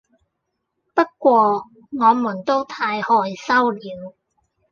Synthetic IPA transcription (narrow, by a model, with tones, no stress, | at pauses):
pɐ˥t̚kʷɔː˧ | ŋɔː˨˧muː˨˩nt̪o˥wt̪ʰaː˧jhɔː˧jsɐ˥wliː˨˧w